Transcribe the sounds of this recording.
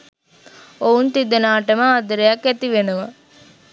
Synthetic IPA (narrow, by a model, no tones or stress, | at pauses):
ount̪id̪enaːʈəməad̪əɾejɐkæt̪iʋenuʋɐ